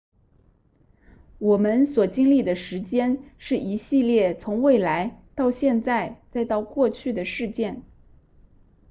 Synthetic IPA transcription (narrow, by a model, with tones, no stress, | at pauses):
wɔ˨˩mə˦nswɔ˨˩t͡ɕi˥ŋli˥˩d̪ə˩ʂɻ̩˧˥t͡ɕjɛ˥nʂɻ̩˥˩i˧˥ɕi˥˧ljɛ˥˩t͡sʰʊ˧˥ŋwe˥˩ɪla˧˥ɪt̪ɑ˥˧ʊɕjɛ˥˧nt͡sa˥˧ɪt͡sa˥˧ɪt̪ɑ˥˧ʊkwɔ˥˧t͡ɕʰy˥˩d̪ə˩ʂɻ̩˥˧t͡ɕjɛ˥˩n